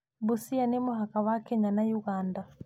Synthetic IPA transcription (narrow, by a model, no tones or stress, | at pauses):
busianemoɦakawakɛɲanajuɣanda